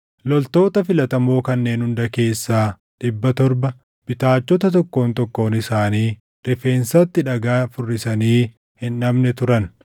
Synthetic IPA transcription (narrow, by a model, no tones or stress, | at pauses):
lɔlt̪o̞ːt̪ɐfɪlɐt̪ɐmo̞ːkɐnːe̞ːnhʊnd̪ɐke̞ːsːaː | ᶑɪbːɐt̪ɔɾbɐ | b̥ɪt̪aːt͡ʃːɔt̪ɐt̪ɔkːo̞ːnt̪ɔkːo̞ːnɪsaːniː | ɾɪfe̞ːnsɐt̪ːɪᶑɐɡaːfʊrːɪsɐniː | hɪnɐmnɛt̪ʊɾɐn